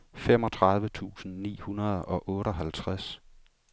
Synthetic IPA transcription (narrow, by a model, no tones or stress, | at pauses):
fem̰ɒ̽t͡sʰʁɑ̈ðˠʋət͡sʰṵːsn̩nḭːhunɐð̞ˠɒ̽ʔɔ̽ːɾəɒɦælt͡sʰʁas